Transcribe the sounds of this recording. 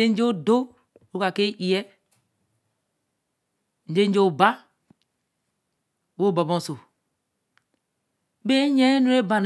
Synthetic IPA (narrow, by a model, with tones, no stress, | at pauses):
e˦n̩˦d͡ʒe˦do˦˨ | ɾu˦ka˨ke˦i˨jɛ˦ | n̩˨˦d͡ʒe˦n̩˦d͡ʒo˦˨ba˦˨ | wo˦˨ba˨bo˦˨so˨ | be˦ɲe˦nu˦ɾe˦ba˨n